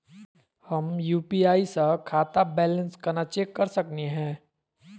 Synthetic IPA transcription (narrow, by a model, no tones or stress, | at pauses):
hɐmjuːpiaːisɐkʰaːt̪abɛːlə̃nskɐɾnat͡ʃeːkːɐɾsɐkneɦɛ̃ː